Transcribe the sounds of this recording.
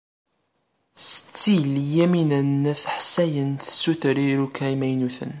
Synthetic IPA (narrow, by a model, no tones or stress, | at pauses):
sə̥t͡sːiljæminənːæθħsæjənθsuθəɾiɾukæimæjnuθə̰n